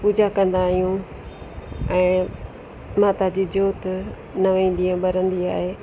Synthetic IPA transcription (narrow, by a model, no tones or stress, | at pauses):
puːd͡ʑakɐ̃nd̪aːɦijũ | ɛ̃ː | maːt̪ad͡ʑiːd͡ʑoːt̪ | nɐʋẽːnd̪iə̃ɓɐɾə̃nd̪iaːɦeː